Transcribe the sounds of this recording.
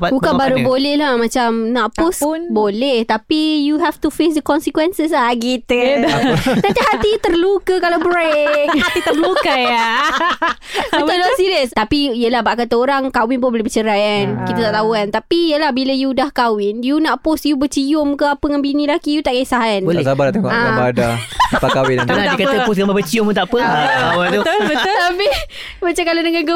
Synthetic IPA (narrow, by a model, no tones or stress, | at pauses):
bukabaɾubolɛhlahmãt͡ʃamnaʔposbolɛht̪apijuɦɛft̪ufes̬dəkɔnsikwɛnsəs̬aɡit̪ə | nãnt̪iɦat̪it̪ərlukəkalabɾek̚at̪it̪ərlukəja | iolsiɾiəst̪apiijəlahbaʔkat̪aoɾaŋkawɪnbʊnbolebət͡ʃəɾajankit̪at̪aʔt̪auant̪apijəlahbiləjudahkawɪnjunaʔpʊsjubət͡ʃijʊmkəapəŋanbinĩlakijut̪aʔkaisaɦanbəlsabaɾat̪eŋʔãabadaapakawɪnaəndikat̪əpʊs̬ɡamabət͡ʃiʊmut̪aʔpəawat̪ʊt̪ʊbəʊt̪api | mat͡ʃakalanəŋanɡə